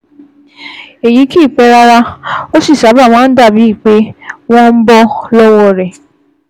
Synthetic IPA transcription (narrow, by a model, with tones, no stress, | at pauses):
e˨ji˨˦ki˦˨k͡pɛ˨˦ɾa˧ɾa˦˧o˦si˦˨sa˨˦ba˦˨w̃ãː˦n̩˦da˦˨bi˨˦i˦˨k͡pe˦w̃ɔ̃˦n̩˦bɔ˦lɔ˦wɔ˧˨ɾɛ˨